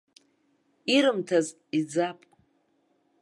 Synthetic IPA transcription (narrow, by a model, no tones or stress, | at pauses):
iɾɨmtʰaz | id͡zapʼ